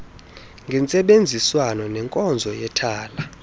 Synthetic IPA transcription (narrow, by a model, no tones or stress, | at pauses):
ŋɡʱɛnt͡sʼɛɓend͡zʱiswanɔnɛŋkʼɔnd͡zʱɔjɛtʰaːla